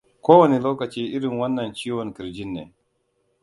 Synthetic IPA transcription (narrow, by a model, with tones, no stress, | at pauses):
koː˦wɐ˨ni˨loː˦kɐ˨t͡ʃiː˦ʔɪ˦ɾɪ˨ŋwɐ˦nːɐ˨nt͡ʃiː˦wɔ˨ŋkɪ˨ɾd͡ʒɪ˦nːeː˨